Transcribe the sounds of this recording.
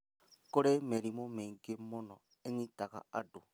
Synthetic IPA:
koɾemeɾimomeŋɡemonɔ | eɲitaka̰ado

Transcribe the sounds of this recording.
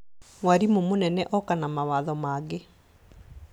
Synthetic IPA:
waɾimomonɛnɛʔɔkanamawaðɔmaɡe

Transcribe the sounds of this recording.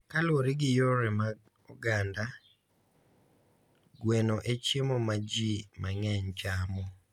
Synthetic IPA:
kalwoɾɪɡɪjoɾɛma | ɔɡanda | ɡwenoʔet͡ʃemomad͡ʒimaŋɛɲt͡ʃamɔ

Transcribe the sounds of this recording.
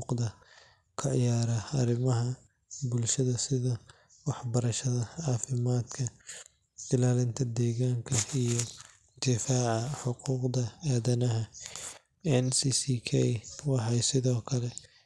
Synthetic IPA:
qdðɐ | kʰɐʕɪjaːɾɐɐɾɪmɐɦɐ | bʊlʃɐðɐsɪðɐ | wɑħbɐɾɐʃɐðɐʕɑːfɪmaːd̪kʰɐ | ɪlaːlɪnt̪ʰɐd̪ɛːɣaːŋkʰɐijɔ | d̪ɪfaːʕɑħʊquːqd̪ɐaːðɐnɐɦɐ | ɛnsiːsiːkʰɛjwɑħɑjsɪðɔːkʰɐlɛ

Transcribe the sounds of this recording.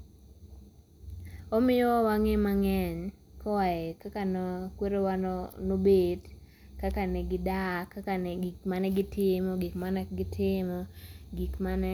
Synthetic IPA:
omɪjɔwɔwaŋemaŋɛɲkɔwajekakanɔkweɾewanobed | kakanɛɡɪdakakanikmanɛɡɪtɪmɔɡikmanɛɡɪtʰɪmɔɡikmanɛ

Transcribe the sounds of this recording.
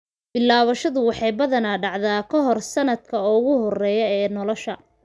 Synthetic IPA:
b̥ɪlːaːβɐʃɐðʊwɑħɑjbɐðɐnaːɖɑʕðaːkʰɔɦɔrsɐnɐd̪̚kʰɐɔɣʊɦɔrɛːjɔɛːnɔlɔʃɐ

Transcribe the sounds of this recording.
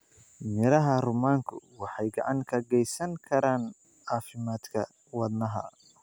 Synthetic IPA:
mɪɾɐɦɐrʊmaːŋkʰʊwɑħɑjɡɑʕɑŋkʰɐɡɛjsɐŋkʰɐɾaːn | ɑːfɪmaːd̪kʰɐ | wɑd̪nɐɦɐ̰

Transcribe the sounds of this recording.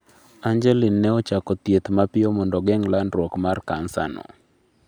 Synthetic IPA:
aɲd͡ʒɛlinːɛɔt͡ʃakɔt̪jet̪mapɪɔmɔndɔɡɛŋlandɾwɔkmarkansa̰nɔ̰

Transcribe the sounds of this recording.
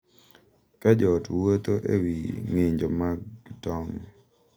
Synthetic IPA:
kad͡ʒɔtwot̪oʔḛwiŋeɲd͡ʒomaɡtɔŋ

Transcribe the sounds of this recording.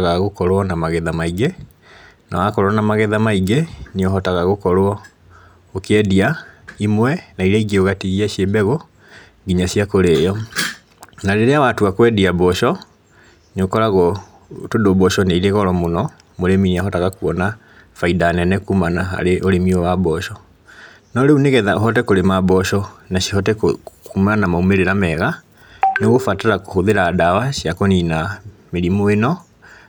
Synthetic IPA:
ɣaɣokɔɾwɔnamaɣɛðamaiɡe | na̰wakɔɾwɔnamaɣɛðamaiɡeneɔɦɔtaɣaɣokɔɾoɔ | okeɛdiaimwɛnaiɾɛiɡeoɣatiɣiaʃebɛɣo | ɡiɲasiakoɾejɔ | naɾeɾeawatuakwɛdiabɔʃɔ | neokɔɾaɣɔ | todobɔʃɔneiɾeɣɔɾɔmonɔ | moɾeminiaɦɔtaɣakuɔna | faidanɛnɛkumanaɦa̰ɾeʔoɾemiɔwabɔɕɔ | naɾeuneɣɛðaoɦɔtɛkoɾemabɔɕɔnaɕi̥ɦɔtɛkkumanamaumeɾeɾamɛɣa | noɣofataɾakohoðeɾaːdawaɕijakɔninameɾimoenɔ

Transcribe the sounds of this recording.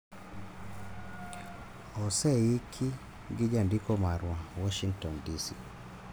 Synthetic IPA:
ɔsɛikʰi | ɡid͡ʒandikɔmaɾwawɔʃiŋktɔndisi

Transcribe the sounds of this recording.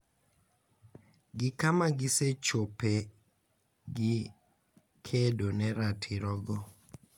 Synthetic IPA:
ɡikamaɡisɛt͡ʃopɛ | ɡi | kʰɛdonɛɾatʰiɾɔɡɔ

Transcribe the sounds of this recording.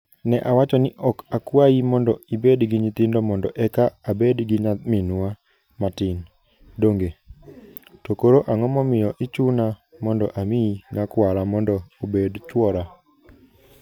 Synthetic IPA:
nɛʔawat͡ʃɔnɪʔɔkakwaimɔndɔibedɡɪɲit̪ɪndɔmɔndɔʔɛkaabedɡɪɲaminwa | matɪn | doŋɡe | tokoɾoʔaŋɔmɔmɪjɔʔɪt͡ʃunamɔndɔʔamiinakwaɾamɔndɔobedt͡ʃwɔɾa

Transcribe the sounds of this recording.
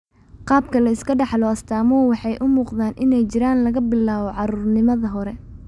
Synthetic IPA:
qɑːb̚kʰɐlɐɪskʰɐɖɑħlɔɐst̪ʰaːmɔːwɑħɑjʔʊmuːqðaːnʔɪnɛjt͡ʃɪɾaːnlɐɣɐbɪlaːβɔʕɑɾuːrnɪmɐðɐɦɔɾɛ

